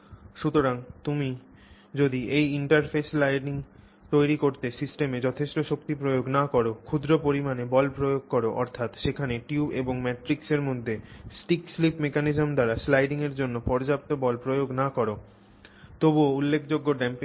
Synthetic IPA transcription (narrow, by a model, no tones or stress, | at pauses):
ʃut̪oɾaŋt̪umi | d͡ʑod̪iʔejiɳʈaɾfʰeslajɖiŋ | t̪ojɾikoɾt̪esisʈemed͡ʑɔt̪ʰeʃʈoʃokt̪ipɾojoɡnakɔɾokʰud̪ɾopoɾimanebɔlpɾojoɡ̚kɔɾoʔɔ̰ɾt̪ʰat̪ʃekʰaneʈiubeboŋmɛʈɾikseɾmod̪ʱːesʈikslipmekanizomd̪aɾaslajɖiŋeɾd͡ʑonːopɔɾd͡ʑap̚t̪obɔlpɾojoɡnakɔɾo | t̪oboulːekʰd͡ʑoɡːoɖɛmpi